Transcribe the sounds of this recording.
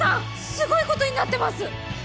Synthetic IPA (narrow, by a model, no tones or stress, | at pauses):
ã | sɨɡo̞iko̞t̪o̞ɲ̟ʲinat̪ːe̞masɨ